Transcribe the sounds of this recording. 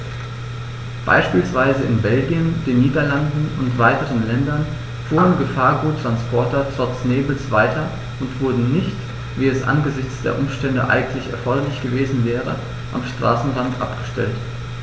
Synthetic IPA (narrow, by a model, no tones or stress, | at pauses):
b̥a̰ɪʃpiːlsv̥aɪzəɪnbɛlɡjənd̥eːnːiːdɐlandn̩ʊntv̥aɪtəʁənlɛndɐn | fuːɐənɡəfaːɐɡuːtːʁ̥anspʰɔɐtɐt͡sɔt͡sneːbl̩sv̥aɪtɐ | ʔʊntv̥ʊɐdn̩nɪçt | viːɛsʔa̰nɡəzɪçt͡sd̥ḛːɐʔʊmʃtɛndə̰ʔa̰ɪɡŋ̩tlɪçɛ̰ɐfɔɐɾɐlɪçɡ̥əveːzn̩vɛːʁə | ʔa̰mʃtʁ̥a̰ːsn̩ʁantʔa̰pɡ̥əʃtɛ̰lt